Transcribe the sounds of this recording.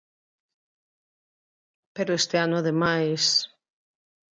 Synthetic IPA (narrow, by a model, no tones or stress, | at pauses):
peɾoest̪eanʊaðemajs